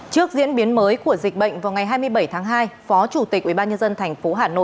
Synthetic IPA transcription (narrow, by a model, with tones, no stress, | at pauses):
t͡ɕɨ˦˥ək̚zḭ˧˥ənɓi˨˦ənməː˨˦jku˧˩əzi˨˩k̟̚ɓə̰˧˨jŋ̟vaː˨˩wŋa˨˩jɦaː˧jmɨ˧əjɓə˧˩jt̪ʰaː˨˦ŋɦaː˧jfɔ˨˦t͡ɕu˧˩t̪i˨˩k̚ʔwi˧˩ɓaː˧ɲə˧nzə˧nt̪ʰɛ˨˩jŋ̟fo˨˦ɦaː˨˩no̰˧˨j